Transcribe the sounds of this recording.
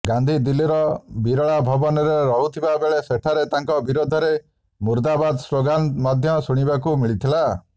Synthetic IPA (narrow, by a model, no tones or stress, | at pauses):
ɡand̪ʱid̪iliɾɔbiɾɔɭabʱɔbɔnɔɾeɾɔɦut̪ʰibabeɭeseʈʰaɾet̪aŋkɔbiɾod̪ʱɔɾe | muɾd̪abad̪ɔsɾoɡant̪mad̪ʱjɔsuɽ̃ibakumiɭit̪ʰila